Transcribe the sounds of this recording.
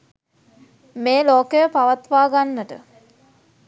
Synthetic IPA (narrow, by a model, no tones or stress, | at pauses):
meːloːkəjəpaʋat̪ʋaːɡanːəʈə̰